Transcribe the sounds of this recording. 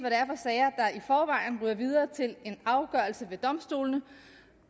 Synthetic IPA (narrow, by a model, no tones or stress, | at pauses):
ʋæɾ̥æɐfɒ̽sɛːɐd̥ɑ̈ifɒːʋɑ̈ɪ̰n̩ʁyːɐʋið̞ˠɐːt͡sʰe̝le̝nɑ̈ʊɡ̥ɶɐl̩səʋe̝d̥ɒ̽msd̥o̝̰ːlnə